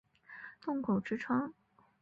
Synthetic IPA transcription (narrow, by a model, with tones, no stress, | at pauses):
t̪ʊ˥˩ŋkʰo˨˩ʊʈ͡ʂɻ̩˥ʈ͡ʂʰɑ˥ŋ